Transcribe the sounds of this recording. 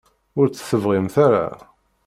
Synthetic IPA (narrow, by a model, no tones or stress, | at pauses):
ʊɾt͡sːə̥θəvʁimθaɾa̰